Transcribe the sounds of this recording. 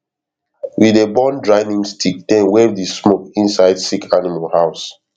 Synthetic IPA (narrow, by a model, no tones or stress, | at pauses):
widebɔ̃ndɹaɪnĩŋstʰik̚d̥ɛ̃nwɛvdismokĩnsaɪdsikʰanimalhaʊs